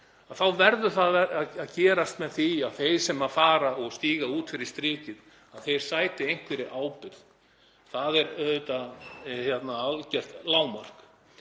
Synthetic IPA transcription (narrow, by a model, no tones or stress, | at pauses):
aθawvɛɾðʏθaɛaaðcɛːɾast̪mɛðθiaðθejɾ̥sɛmaðfaːɾaɔɣst̪iːɣauːt̪fɪɾɪɾ̥st̪ɾɪːcɪð | aðθejɾ̥saːjt̪ɪejŋ̥kvɪɾɪʔaːwpʏɾð | θaðɛɾœʏt̪açjɛt̪naalcɛr̥t̪laːwmar̥k